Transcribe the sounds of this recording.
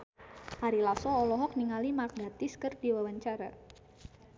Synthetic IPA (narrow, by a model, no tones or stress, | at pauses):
haɾilasɔːlɔɦɔk̚niŋalimar̚ɡat̪ɪskərdiwawaɲt͡ʃaɾa